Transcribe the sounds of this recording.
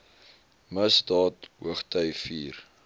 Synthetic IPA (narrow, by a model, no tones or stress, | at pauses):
məsdɑːtɦuəχtœjfiːr